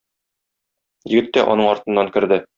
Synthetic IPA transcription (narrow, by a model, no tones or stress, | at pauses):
jɘ̆ɡɘ̆t̪ːæʔɒ̰nɤɴɒɾt̪ɤ̆nːɑŋkɘ̆ɾd̪ɘ